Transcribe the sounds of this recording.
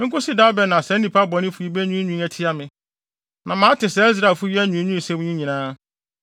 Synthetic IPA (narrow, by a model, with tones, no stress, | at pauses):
ŋ̩˦kʊ˦si˦da˦bɛ˨nã˨sɛ˦n̩˦ni˨pʰa˦bɔ˨nɪ̃˦fu˨i˨˦bɛ˦ɲũ˦ɲũ˦æ˨tʰi˦a˨mɪ̃˨ | nã˨mã˨˦tɪ˨sɛ˨˦z̬ɾa˨fʊ˦ɥi˦ɛ˦ɲũ˨˦ɲũ˦˨sɛ˦m˦ɲĩ˦ɲĩ˨nãː˦